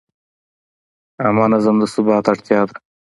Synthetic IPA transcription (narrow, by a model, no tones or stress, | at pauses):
ɐmaːnɐzɐmd̪ɐsubɑːt̪ɐʈt̪jaːd̪ɐ